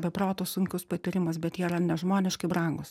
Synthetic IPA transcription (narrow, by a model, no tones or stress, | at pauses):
bʲɛproːt̪ossʊŋʲkʲʊspɐt̪ʲɪɾʲɪmɐsbʲɛt̪iːrɐnʲɛʒmoːnʲɪʃkɐɪbɾɐŋɡʊs